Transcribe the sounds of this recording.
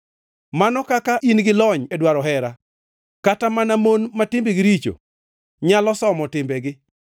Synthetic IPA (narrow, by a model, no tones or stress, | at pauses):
manɔkakaʔinɡɪlɔɲedwaɾɔɦɛɾa | katamanamonmatɪmbiɡɪɾit͡ʃo̰ | ɲalɔsɔmɔtɪmbɛɡɪ